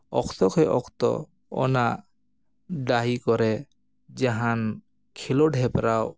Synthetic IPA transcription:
ɔ̰kʰt̪ɔkʰɛʔɔkt̪ɔ̰ | ɔ̰na | ɖaɦikɔɾɛ | d͡ʒaɦan | kʰilɔɖʱɛpɾaw

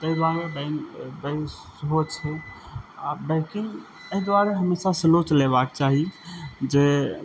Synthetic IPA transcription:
t̪əid̪aɾebənbəj | ɦot͡ʃʰɛ | abekin | əɦid̪waɾəɦəmesasəlot͡ʃleβak̚t͡ʃaɦid͡ʒe

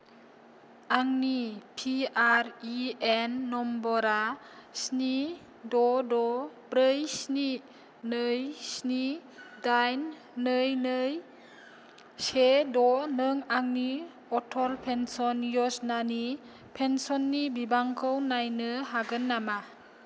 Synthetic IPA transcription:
aŋnipʰiaɾienːɔmbɔɾa | sni | dɔdɔpɾɯjsni | nɯjsnidajnː | ɯjnɯj | sedɔnɯŋaŋni | ɔtʰɔlpʰensɔnjɔsnani | pʰensɔnːibibaŋkʰɯwnajnɯɦaɡɯnːama

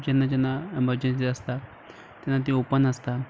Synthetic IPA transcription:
d͡ʑanːad͡ʑanːaeməɾd͡ʑens̬iəst̪a | t̪janːat̪̬ĩupənəst̪a

